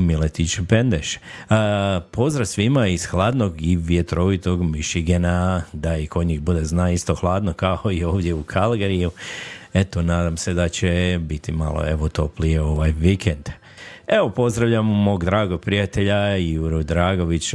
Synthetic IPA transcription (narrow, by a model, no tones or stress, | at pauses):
milet̪it͡ʃpend̪eʃ | po̞zd̪ɾasʋimaiz̥xlˠaːd̪no̞ɡiʋje̞t̪ɾo̞ʋit̪o̞ɡmiʃiɡenad̪aikʰo̞d̪ɲiːxbud̪eznaːist̪oxlˠaːd̪nokaoio̞ːʋd̪je̞ukʰalɡeɾijuet̪onaːd̪amse̞d̪at͡ɕebit̪ima̰lˠo̰e̞ʋot̪o̞plieo̞ʋajʋikʰend̪̥ | eʋo̞po̞zd̪ɾaʋʎammo̞ːɡd̪ɾaːɡopɾijat̪e̞ʎajuɾud̪ɾaːɡo̞ʋit͡ɕ